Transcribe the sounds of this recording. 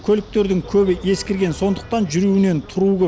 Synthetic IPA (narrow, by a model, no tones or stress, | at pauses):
kʲʰɵlɪk̚t̪e̞ɾd̪ɪŋkʲʰɵbɪʔe̞skʲeɾɡʲe̞nso̞nd̪əq̚t̪ɑnʒʏɾuwɪne̞nt̪ʰʊɾuɡʲə